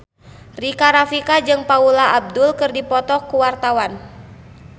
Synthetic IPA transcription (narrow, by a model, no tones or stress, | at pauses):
rikaɾafikad͡ʒɨŋpaulaʔab̚dulkɨrdipɔt̪ɔkuwart̪awan